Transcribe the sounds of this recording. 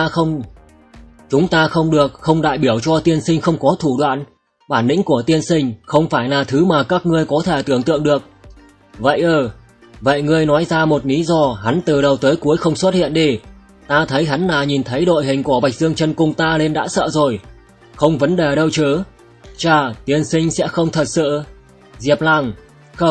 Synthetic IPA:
ə˧wŋ͡m | t͡ɕʊ˨˦ŋ͡mt̪aː˧xə˧wŋ͡mɗɨ˨˩ək̚xə˧wŋ͡mɗa̰ː˧˨jɓi˧˩əwt͡ɕɔ˧t̪i˧ənsï˧ŋ̟xə˧wŋ͡mkɔ˨˦t̪ʰu˧˩ɗwa̰ː˧˨n | ɓaː˧˩nːï˧˥ŋ̟ku˧˩ət̪i˧ənsï˧ŋ̟xə˧wŋ͡mfaː˧˩jlaː˨˩t̪ʰɨ˨˦maː˨˩kaː˦˥k̚ŋɨ˧əjkɔ˨˦t̪ʰe˧˩t̪ɨ˧˩əŋt̪ɨ̰˧əŋɗɨ˨˩ək̚ | və̰˧˨jʔəː˨˩ | və̰˧˨jŋɨ˧əjnɔ˨˦jzaː˧mo˨˩t̚li˨˦zɔ˧ɦa˨˦nt̪ɨ˨˩ɗə˨˩wt̪əː˨˦jku˨˦əjxə˧wŋ͡mswə˦˥t̚hḭ˧˨ənɗi˧˩ | t̪aː˧t̪ʰə˨˦jɦa˨˦nlaː˨˩ɲi˨˩nt̪ʰə˨˦jɗo̰˧˨jɦï˨˩ŋ̟ku˧˩əva˨˩jk̟̚zɨ˧əŋt͡ɕə˧nkʊ˧˩wŋ͡mt̪aː˧le˧nɗa̰ː˧˥sə̰ː˧˨zo˨˩j | xə˧wŋ͡mvə˨˦nɗe˨˩ɗə˧wt͡ɕɨ˨˦ | t͡ɕaː˧˩t̪i˧ənsï˧ŋ̟sɛ̰˧˥xə˧wŋ͡mt̪ʰə˨˩t̚sɨ̰˧˨ | zi˨˩əp̚la˧˩ŋ | xə˧

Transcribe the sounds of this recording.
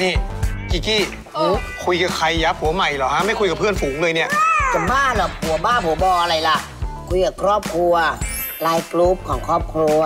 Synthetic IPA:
niː˥˩kiː˧˩kiː˥˩ | oː˧˦˧kʰu˧jka˨˩kʰa˧jːaː˦˥p̚hu˨˩˦ɐma˨˩jlɔː˨˩ha˦˥ma˥˩jkʰu˧jka˨˩pʰɯ˥˩ənfuː˩˦ŋlɤː˧jni˥˩ɐt͡ɕa˨˩baː˥˩lɔ˨˩hu˩˦ɐbaː˥˩npu˨˩˦ɐbɔː˧ʔa˧ɾa˧jla˦˥ʔ | kʰu˧jkaː˨˩kʰɾɔː˥˩p̚kʰɾu˧ɐ | laː˧jkluː˦˥p̚kʰɔː˩˦ŋkʰɾɔː˥˩p̚kʰɾu˧

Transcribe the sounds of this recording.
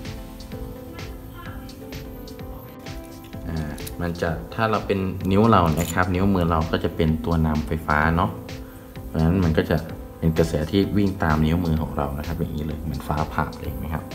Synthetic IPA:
ʔaː˨˩ma˧nt͡ɕa˨˩t̪ʰaː˥˩ɾa˧wpe˧nːi˦˥wɾa˧wna˦˥kʰa˦˥p̚ni˦˥wmɯː˧ɾa˧wkɔː˥˩t͡ɕa˨˩pe˧nt̪u˧ɐna˧mfa˧jfaː˦˥nɔ˦˥ʔ | pʰɔ˧na˦˥nma˧˩˧nkɔ˥˩t͡ɕa˨˩ʔ | pe˧nka˧sɛː˩˦t̪ʰiː˥˩wi˥˩ŋt̪aː˧mni˦˥wmɯː˧kʰɔ̰ː˨˩˦ŋɾa̰˧wna˦˥kʰa˦˥p̚ja˨˩ŋːiː˦˥lɤː˧jmɯ˧˩˦ənfaː˦˥pʰa̰ː˨˩p̚ʔeː˧ŋma˦˥jkʰa˦˥p̚

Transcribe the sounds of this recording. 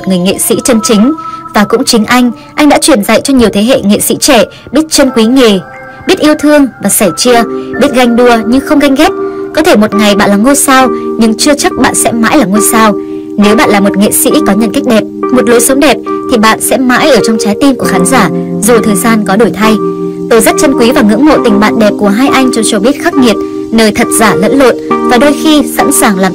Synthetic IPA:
m˨t̚ŋɨ˨˩əjŋḛ˧˨sḭ˧˥t͡ɕə˧nt͡ɕï˨˦ŋ̟vaː˨˩kʊ̰˧˥ŋ͡mt͡ɕï˨˦ŋ̟ʔa˧jŋ̟ | ʔa˧jŋɗa̰˧˥t͡ɕwi˧˩ənza̰˧˨jt͡ɕɔ˧ɲi˨˩əwt̪ʰe˨˦ɦḛ˧˨ŋḛ˧˨sḭ˧˥t͡ɕɛ˧˩ | ɓi˦˥ət̚t͡ɕə˧nkwi˨˦ŋe˨˩ | ɓi˦˥t̚ʔi˧əwt̪ʰɨ˧əŋvaː˨˩saː˧˩jt͡ɕi˧əɓi˦˥t̚ɣa˧jŋ̟ɗu˧˩əɲɨ˧ŋxə˧wŋ͡mɣa˧jŋ̟ɣɛ˦˥t̚kɔ˨˦t̪ʰe˧˩mo˨˩t̚ŋa˨˩jɓa̰ː˧˨nlaː˨˩ŋo˧jsaː˧wɲɨ˧ŋt͡ɕɨ˧ət͡ɕa˦˥k̚ɓa̰ː˧˨nsɛ̰˧˥ma̰ː˧˥jlaː˨˩ŋo˧jsaː˧w | ne˨˦wɓa̰ː˧˨nlaː˨˩mo˨˩t̚ŋḛ˧˨sḭ˧˥kɔ˨˦ɲə̰˧˨nka˦˥jk̟̚ɗɛ˨˩p̚mo˨˩t̚lo˨˦jsə˨˦ŋ͡mɗɛ˨˩p̚t̪ʰi˨˩ɓa̰ː˧˨nsɛ̰˧˥ma̰ː˧˥jʔəː˧˩t͡ɕɔ˧wŋ͡mt͡ɕaː˨˦jt̪i˧nku˧˩əxaː˨˦nzaː˧˩zu˨˩t̪ʰəː˨˩jzaː˧nkɔ˨˦ɗo˧˩jt̪ʰa˧j | t̪o˧˩jza˦˥t̚t͡ɕə˧nkwi˨˦vaː˨˩ŋɨ̰˧˥ŋmo̰˧˨t̪ï˧˩ŋ̟ɓa̰ː˧˨nɗɛ˨˩p̚ku˧˩əɦaː˧jʔa˧jŋ̟t͡ɕɔ˧t͡ɕɔ˧ɓi˦˥ət̚xa˦˥k̚ŋi˨˩ət̚ | nəː˧jt̪ʰə˨˩t̚zaː˧˩lə̰˧˥nlo̰˧˨nvaː˨˩ɗo˧jxi˧sa̰˧˥nsaː˨˩ŋlaː˨˩

